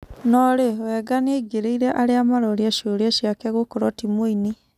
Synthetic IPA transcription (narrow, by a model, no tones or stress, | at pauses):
nɔɾewɛɡaneiɡeɾeiɾɛʔaɾeamaɾɔɾiaʃoɾeaʃiakɛɣokɔɾɔtimoini